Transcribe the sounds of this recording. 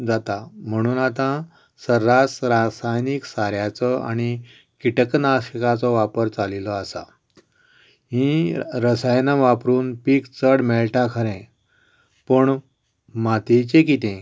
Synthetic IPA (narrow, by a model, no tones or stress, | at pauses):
d͡zat̪am̤əɽ̃uːnat̪ã | səɾːasɾasajniksaɾjat͡sɔa̰ɽ̃i | kiʈəknaɕəkat͡sɔʋapəɾt͡salilɔasa̰ | ɦĩɾəsajnaʋapɾuːnpikt͡səɽmeɭʈakʰəɾẽ | pəɳ | mat̪it͡ɕekit̪ẽ